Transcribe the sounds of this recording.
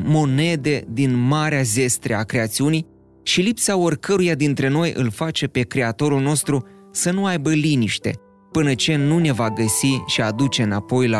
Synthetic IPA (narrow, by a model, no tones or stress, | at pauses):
mo̞ne̞d̪e̞d̪inmaɾeaze̞st̪ɾeakɾe̞at̪siunij | ʃilipsaorkəɾujad̪int̪ɾe̞no̞jʔɨ̰lfat͡ʃe̞pe̞kɾe̞at̪o̞ɾulno̞st̪ɾu | sənuajbəliniʃt̪e̞̰ | pɨnət͡ʃe̞nune̞vaɡəsiʃiad̪ut͡ʃe̞ɨnapo̞jla